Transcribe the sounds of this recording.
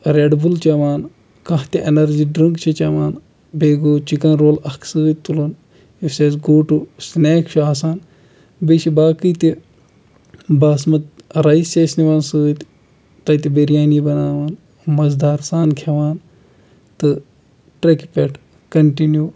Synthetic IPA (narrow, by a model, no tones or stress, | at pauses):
ɾeɖbult͡ʃɐʋaːn | kɐɦt̪iʔenɐɾd͡ʒiːɖɾɨŋkt͡ʃʰit͡ʃɐʋaːn | beːɡoːt͡ʃikɐnɾoːlɐkʰsɨːt̪̚ʲt̪ulɐn | iseːsɡoːʈusneːkʃaːsaːn | biʃibaːkɨjt̪i | baːsmɐt̪ɾɐist͡ʃeːsniʋaːnsɨːt̪ | t̪ɐjt̪ibeɾijaːnibɐnaːʋaːn | mɐzd̪ʱaːɾsaːnkʰeʋaːn | t̪ɨ | ʈɾɐkpʲeʈʰ | kɐɳʈinjuː